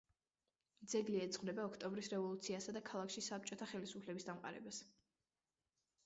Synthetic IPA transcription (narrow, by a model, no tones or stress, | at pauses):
d̪zɛɡliɛt̪sχwvnɛbaɔkʰt̪ʼɔmbɾisɾɛvɔlˠut̪sʰiasad̪akʰalˠakʰʃisap̚t͡ʃʼɔt̪ʰaχɛlisupʰlɛbisd̪amqʼa̰ɾɛ̰bas